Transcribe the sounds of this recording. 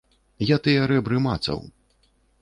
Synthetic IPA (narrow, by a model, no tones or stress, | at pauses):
jat̪ɨjɛɐɾɛbɾɨmat̪sɐ̰w